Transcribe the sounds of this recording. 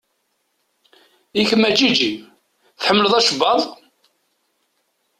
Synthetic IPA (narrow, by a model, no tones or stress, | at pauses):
içəmːæt͡ʃːid͡ʒi | θħəmːələðˤæʃəbɑðˤ